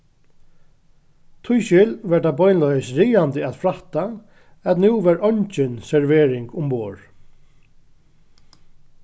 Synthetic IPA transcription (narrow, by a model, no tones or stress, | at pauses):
t̪ʰʊjʃɪlʋɛʈ̚d̪abɔjnlɔjsɾiːant̪ɪæt̪fɾaht̪a | ɛt̪nuwʋɛɾɔɲt͡ʃɪnsɛɹvɛːɾɪŋkʊmːoːɹ